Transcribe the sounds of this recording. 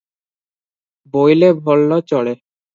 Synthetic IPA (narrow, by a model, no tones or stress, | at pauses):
bojlebʱɔlːot͡ɕɔɭe